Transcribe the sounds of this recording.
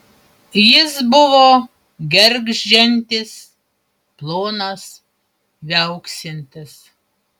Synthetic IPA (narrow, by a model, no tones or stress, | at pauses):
jɪsbʊʋoː | ɡʲɛɾʲɡʒʒʲɛnʲt̪ʲɪs | plˠoːnɐs | ʋʲɛʊksʲɪnʲt̪ʲɪs